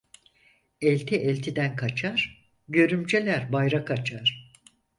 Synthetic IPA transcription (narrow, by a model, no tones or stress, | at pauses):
ɛlʲt̪ʰiʔɛlʲt̪ʰid̪ænkʰat͡ʃʰaɾ̥ | ɟø̞ɾymd͡ʒelʲæɾbajɾakʰat͡ʃʰaɾ̥